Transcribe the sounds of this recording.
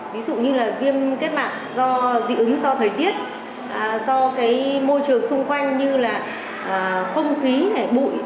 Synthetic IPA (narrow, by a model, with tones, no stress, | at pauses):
vi˨˦zṵ˧˨ɲɨ˧laː˨˩vi˧əmke˦˥t̚ɓa̰ː˧˨ŋzɔ˧zḭ˧˨ʔɨ˨˦ŋzɔ˧t̪ʰəː˨˩jt̪i˦˥ət̚ | ʔə˨˩zɔ˧kaː˨˦jmo˧jt͡ɕɨ˨˩əŋsʊ˧ŋ͡mxwa˧jŋ̟ɲɨ˧laː˨˩ | ʔːxə˧wŋ͡mxi˨˦na˨˩jɓṵ˧˨j